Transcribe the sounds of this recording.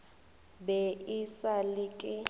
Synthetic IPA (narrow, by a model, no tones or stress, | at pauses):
bɛʔisalikʼɪ